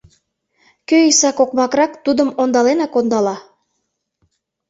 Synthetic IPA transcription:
køisɑkokmɑkrɑkt̪ud̪əmond̪ɑlenɑkond̪ɑlɑ

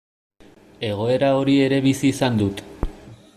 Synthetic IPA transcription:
e̞ɣ̞o̞e̞ɾao̞ɾie̞ɾe̞βisiːsand̪ut̪

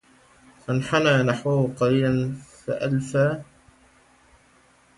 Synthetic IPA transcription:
fanħanaːnaħwahʊqɑɾiːlanfa̰ʔalfaː

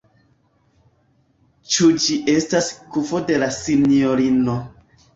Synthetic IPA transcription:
t͡ʃud͡ʒiʔe̞staskufo̞de̞lasinioɾino

